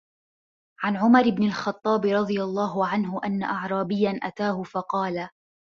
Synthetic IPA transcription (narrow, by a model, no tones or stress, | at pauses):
ʕanʕʊmɑɾɪbnɪlxɑt̪ˤːɑːbɾˤɑd̪ˤɨjɑlˤːɑːɦʊʕanɦʊʔanːa̰ʔɑʕɾˤɑːbɪjːanʔa̰t̪aːhʊfɑqɑːla